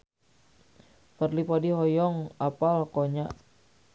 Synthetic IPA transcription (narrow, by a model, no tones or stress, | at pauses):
pərlipɔdiɦɔjɔŋapalkoɲaʔ